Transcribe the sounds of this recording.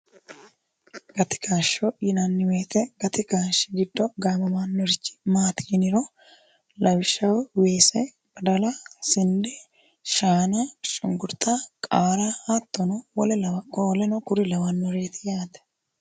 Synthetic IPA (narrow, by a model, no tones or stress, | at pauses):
ɡɐt̪ɪ̥kaːʃojɪnanːɪweːt̪ɛɡɐt̪ɪkaːʃːɪɡɪd̪ːɔɡaːmɐmaːnːɔɾɪt͡ʃːɪ̥maːt̪ɪnɪɾo | lɐwɪʃɐwweːsɛ | bɐd̪ɐlasɪndɛ | ʃaːnaʃʼʊ̰ŋɡʊɾt̪aːkʼaːɾaːhaːt̪ːɔnɔwɔlɛlɐwkʼoːlɛnɔkʊɾɪlɐwɐnːɔɾeːt̪ɪ̥jaːt̪ɛ̥